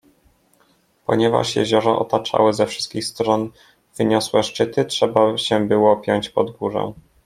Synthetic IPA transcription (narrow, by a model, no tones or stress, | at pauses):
pɔ̰ɲɛva̰ʂjɛ̰ʑɔɾɔʔɔt̪at͡ʂa̰wɘzɛfʂɘst̪̚kʲixst̪ɾɔn | vɘɲɔswɛʂt͡ʂɘt̪ɘtʂɛbaɕɛbɘwɔpʲjɔɲt͡ɕpɔd̪ɡuʐɛ̰̃